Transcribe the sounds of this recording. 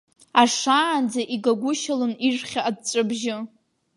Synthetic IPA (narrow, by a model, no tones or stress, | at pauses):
aʂaːnd͡zaʔiɡaɡʷʊʃalɨnirχʲaːd̚t͡sʷʼɨbʒɪ